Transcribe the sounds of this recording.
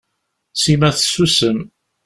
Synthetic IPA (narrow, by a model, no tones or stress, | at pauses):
simæθsusəm